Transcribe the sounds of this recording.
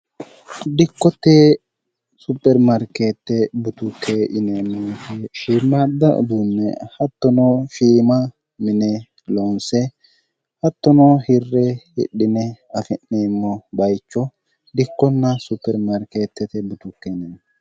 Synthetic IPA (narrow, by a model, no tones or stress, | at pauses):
d̪ɪkːɔt̪ːeː | supːɛɾmɐɾkeːt̪ːɛbʊt̪ʊkʰːeʔɪneːnːɐnsɛʃiːmːad̪ːɐʔʊ̰d̪unːɛ̰hɐt̪ːɔnɔʃiːmɐ | mɪnɛ | lɔnsɛ | hɐt̪ːɔnɔhɪrːɛhɪ̰ɗːɪnɛɐfɪnːeːmːɔbɐjt͡ʃːɔ | d̪ɪkːɔnːɐsʊpːɛɾmɐɾkeːt̪ːɛt̪ɛbʊt̪ʊkːɛnen